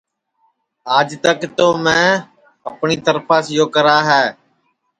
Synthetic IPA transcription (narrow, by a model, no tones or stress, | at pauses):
aːd͡ʒt̪əkt̪oːmɛ̃ː | əpɳiːt̪əɾpʰaːsɪjoːkəɾaːɦɛː